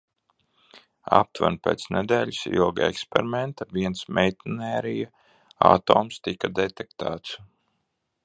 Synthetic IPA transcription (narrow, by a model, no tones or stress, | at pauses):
a̰p̚t̪va̰npʲḛːt̪snɛd̪ɛːʎʲisḭɔɡaɛ̰kspḛɾimɛnt̪aviɛnsmɛjt̪inɛːɾija | a̰t̪oːmst̪ikad̪ɛt̪ɛkt̪aːt̪s